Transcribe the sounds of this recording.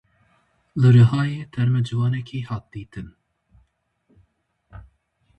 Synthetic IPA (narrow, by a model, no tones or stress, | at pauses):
lɨɾɨhɑːjeːt̪ʰɛɾmɛd͡ʒɨvɑːnɛkʰiːhɑːt̪̚d̪̥iːt̪ʰɨn